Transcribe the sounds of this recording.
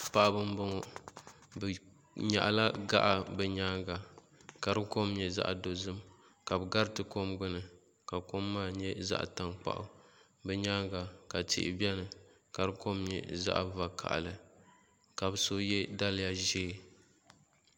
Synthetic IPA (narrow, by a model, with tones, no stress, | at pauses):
pa˨ʔa˨bɨ˦m˦bo˦ŋɔ˨ | bɨ˨ | ɲa̰˨ʔla˦ɡa̰˦ʔa˨bɛ˨ɲaː˦ŋɡa˨ | ka˨ɾɨ˦ko˦mɲɛ˨za̰˦ʔdo˨zɨ˦m | ka˨bɨ˨ɡa˦ɾɨ˦tɨ˨ko˦mɡ͡bɨ˦nɨ˨ | ka˨ko˦mːaː˦˨ɲɛ˦za̰˦ʔta˨ŋk͡pa̰˨ʔʊ̰˨ | bɛ˦ɲaː˦ŋɡa˨ka˨tɪ̰˦ʔɪ̰˨bɛ˦nɨ˨ | ka˨ɾɨ˦ko˦mɲɛ̰˨za̰˦ʔva˨kʰa̰˨ʔlɨ˨ | ka˨bɨ˨so˦jɛ˦da˦lɪ˦ja˦ʒeː˦˨